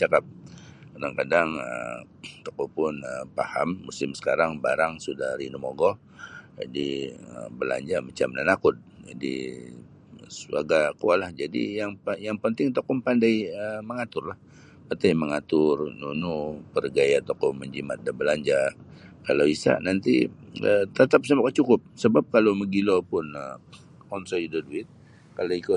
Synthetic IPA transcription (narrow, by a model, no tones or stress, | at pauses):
t͡ʃakap̚kadaŋkadaŋə | t̪okɔpʊnəpaha̰mːusɪmsə̥kaɾaŋba̰ɾaŋsudahɾinumoɡɔ | d͡ʒa̰diə̰bəla̰ɲd͡ʒamat͡ʃamnanakʊt̪̚d͡ʒa̰dḭ | suaɡakualahd͡ʒadḭjaŋjaŋpənt̪ɪŋt̪okɔmpandajəməŋat̪ʊrlah | pat̪ajməŋat̪ʊrnṵnupərɡajat̪ɔkɔməɲd͡ʒimat̪̚dabəlaɲd͡ʒakalawisa̰ʔnant̪ḭət̪ət̪ap̚səmakat͡ʃukʊp̚səbap̚kalowməɡilopʊnə | kɔnsɔjudoduɪt̪̚ | kaloiku